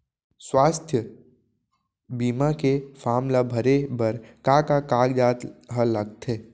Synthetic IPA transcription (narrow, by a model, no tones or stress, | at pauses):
swaːst̪ʰjə | biːmakefʰaːmlabʱəɾebəɾkakakaːɡd͡ʒaːt̪ɦələɡt̪ʰeː